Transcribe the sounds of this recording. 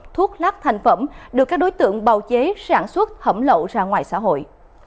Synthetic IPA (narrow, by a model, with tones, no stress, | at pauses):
t̪ʰu˦˥ək̚laː˦˥k̚t̪ʰa˨˩jŋ̟fə˧˩mɗɨ˨˩kːaː˦˥k̚ɗo˨˦jt̪ɨ̰˧˨əŋɓaː˨˩wt͡ɕe˨˦saː˧˩nswə˦˥t̚hə˧˩mlo̰˧˨zaː˧˩ŋwaː˨jsa̰˧˥ɦo̰˧˨j